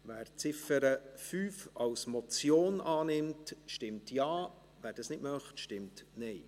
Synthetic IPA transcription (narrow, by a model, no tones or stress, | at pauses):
ʋæːɾt͡sɪfəɾəfyːfɑwsmɔt͡sjoːnʔɑːnɪmtʃtɪmtjɑː | væːɾd̥ɑsnɪtmœχtʃtɪmtnɛɪ